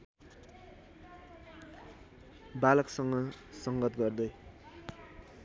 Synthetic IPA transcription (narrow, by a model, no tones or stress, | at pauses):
balʌksʌŋɡʌsʌŋɡʌt̪ɡʌrd̪ʌj